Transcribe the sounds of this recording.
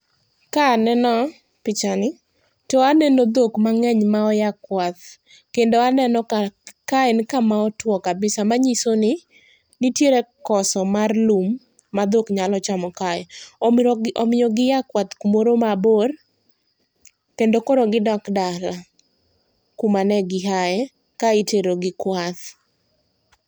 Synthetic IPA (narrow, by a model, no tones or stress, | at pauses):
kanɛnɔ | pɪt͡ʃanɪ | toanɛnod̪okmaŋɛɲmaɔjakwat̪̚ | kendoanɛnɔkkaɛnkamaɔtwɔkabɪsamaɲisonɪ | nitjeɾekɔsɔmarlumː | ad̪okɲalɔt͡ʃamɔkaɛ | ɔmɪjɔɡɪjakwat̪kumoɾomabor | kendokoɾoɡɪdɔkdala | kumanɛɡɪɦaɛ | kaiteɾoɡɪkwat̪